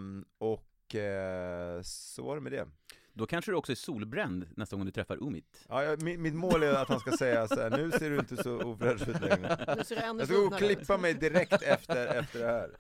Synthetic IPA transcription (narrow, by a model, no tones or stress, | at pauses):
ɔk | ssɔ̰vaɖɵmɛd̪ɛ̰ | d̪ɔkʰanʂəd̪ɵɔksɔæʂuːlbɾɛnd̪nɛst̪aɡɔŋd̪ɵt̪ʰɾɛfːa̰ɾʔɵmɪ̰t̪ɑ̰ːjɑmɪmɪt̪moːlæɾat̪hanskasɛjːasɔhæːɳnʉ̟ːseːɖɵɪnt̪əsɔuːvɾœːd̪ʉːlɛŋɾəɑskaɡokʰlɪpːamɛjd̪ɪɾɛktt̪ʰɛft̪əɾɛft̪əɖɛhæːɾ